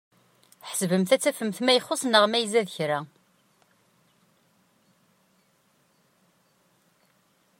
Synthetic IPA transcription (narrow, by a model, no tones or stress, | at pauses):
ħə̥svəmθæt͡sːæfəmθmæjəχːʊsnəʁmæjzæðəçɾæ